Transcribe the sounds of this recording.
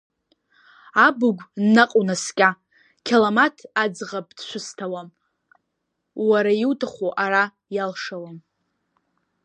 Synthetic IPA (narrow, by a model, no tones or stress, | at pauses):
abʊɡʷːaqʼunaskʲʼa | kʲʰelamatʰad͡zʁapʼd̥ʃʷʊstʰawam | waɾajiwtʰʼaχʷuʔaɾa | jalʂawam